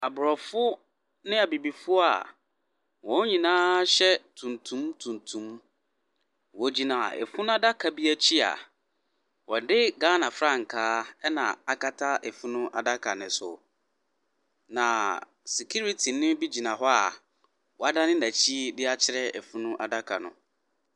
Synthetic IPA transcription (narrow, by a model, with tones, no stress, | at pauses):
a˨bʊ˨ɾɔ˨fʊ˦ | nɪ̃˦a˨bi˨bi˨fʊ˦a̰˨ | wɔ̃˦ɲĩ˨nãː˦ɕɛ˦tʰũ˨ntʰũ˦mtʰũ˨ntʰũ˨˦m | wɔ˦d͡ʑi˦nã˨a̰˨ʔɛ̰˨fʊ˦nʊ̃˦a˦da˦kʰa˨bi˦æ˦t͡ɕʰi˦a̰˨ | wɔ˨dɪ˦ɡã˦nã˨fɾa˦˨ŋ̩˨kʰaː˦ɛ˦nã˨a˨ka˦tʰa˦ʔɛ˨fʊ̃˦nʊ̃˦ʔa˨da˦kʰa˨nɪ̃˨sʊ̰˨ | nã˨ | si˨kʰi˦ɾi˦tʰi˨nɪ̃˦bi˦d͡ʑi˨nã˨ɦɔ˦a̰˨ | wɔ˨a˦dã˦nɪ̃˦næ˨t͡ɕʰi˦dɪ˦a˦t͡ɕʰɪ˦ɾɛ˦ɛ̰˨fʊ̃˦nʊ̃˦ʔa˨da˦kʰa̰˨nʊ̰̃˨